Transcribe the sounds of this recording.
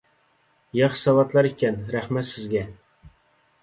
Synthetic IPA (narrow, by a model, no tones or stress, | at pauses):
jɑχsɑvɑt̪lˠɑɾikʲænɾæχmæt̪sɪzɡʲæ